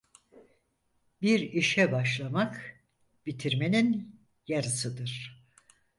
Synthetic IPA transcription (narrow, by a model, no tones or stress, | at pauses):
biɾiʃɛbaʃlˠamak | bit̪ʰiɾme̞nin | jaɾɯsɯd̪ɯɾ̥